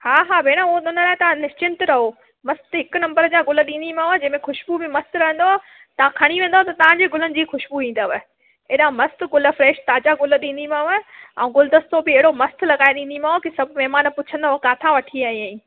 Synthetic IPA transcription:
haːɦaːbʱeːɽ̃aʊɦoɗ̪ʊnəlaːɪt̪ɐʋãnɪst͡ɕɪ̃nt̪ɾɐɦo | mɐst̪ɦɪkʊnɐ̃mbəɾəd͡ʑaɡʊlə̆ɗĩːnd̪imãːʋad͡ʑɐ̃ɦmẽxʊʃbubɪmɐst̪ɾɐɦə̃nd̪oaː | t̪ɐʋ̤ãkʰɐɽ̃iʋẽːn̆d̪ot̪ɐt̪ɐʋ̤ãɲd͡ʑeːɡʊlənɪ̆d͡ʑiːxʊʃbuʋĩːn̆d̪aʋə | eːɗãmɐst̪ɡʊlfɾeːʃt̪aːd͡ʑaɡʊlə̆ɗĩːn̆d̪imãːəɛ̃ũːɡʊld̪ɐst̪obɪeɦɪɽomɐst̪lɐɡaːeɗĩːnd̪imãːɦokɪsɐbʱmɛɦmaːnpʊt͡ɕʰə̃nd̪aɦokaːt̪ʰaʋɐʈʰiaːɦĩãːĩː

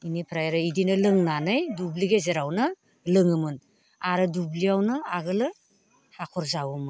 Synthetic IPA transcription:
inipʰɾajɾɯidinɯlɯŋnanɯjdubliɡezeɾawnɯ | lɯŋɯmɯn | aɾɯdubliawnɯaɡɯlɯ | hakʰɔɾzawumɯn

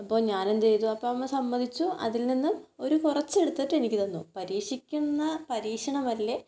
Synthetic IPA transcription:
ɐpːo̞ːɲaːnend̪ejt̪uɐpːoːɐmːɐsɐmbɐnʱit͡ɕːuɐ̰ðilninːumo̞ɾukurɐt͡ɕːe̞ɽut̪ːiʈːe̞nikʲːit̪ɐnːupɐɾiːʂikʲːunːɐpɐɾiːkʂɐɳɐmɐlːe̞

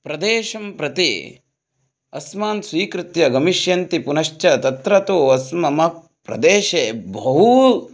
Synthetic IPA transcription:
pɾɐd̪eːʃɐmpɾɐt̪ḭ | ɐsmaːnsʋiːkɾɪt̪jɐɡɐmiʃjɐnt̪ipunɐʃt͡ʃɐt̪ɐt̪ɾɐt̪oːɐsmɐmɐk̚ | pɾɐ̰d̪eːʃeːbɐɦu

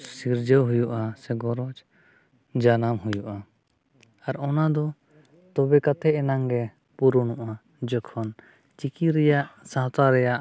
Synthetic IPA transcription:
siɾd͡ʒəwɦujuʔasɛɡɔɾɔt͡ʃ | d͡ʒanamɦujuʔa | aɾɔnad̪ɔ | t̪ɔbɛkat̪ʰɛɛnaŋɡɛ | puɾunuʔa | d͡ʒɔkʰɔn | t͡ʃikiɾɛjaʔsãt̪aɾɛjaʔ

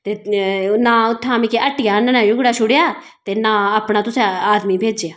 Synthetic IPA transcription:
t̪eːnãːʊt̪ʰːãːmĩkeʔəʈɪjaːnɛnãːjʊɡɽaːʃʰʊɽjaː | t̪eːnãːaːpɳaːt̪ʊsẽaːd̪miːbʱeːd͡ʒjaː

